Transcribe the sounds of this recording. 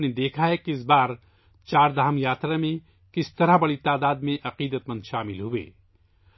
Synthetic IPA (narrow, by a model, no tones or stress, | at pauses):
ned̪eːkʰaɦɛkiɪs̬baːɾ | t͡ʃaːɾd̪aɦəmjaːt̪ɾamẽ | kɪst̪ɐɾabɐɽit̪aːd̪aːd̪mẽʔɐqiːd̪ət̪mə̃nd̪ʃaːmɪlɦʊḛː